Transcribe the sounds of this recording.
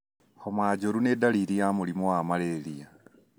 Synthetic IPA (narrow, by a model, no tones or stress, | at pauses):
homwaːɟoɾunedaliɾijamulimowamalelija